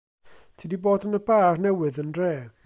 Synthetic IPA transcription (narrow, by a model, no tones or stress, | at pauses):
tʰiːdiboːdənəbaːrnɛwɨðəndreː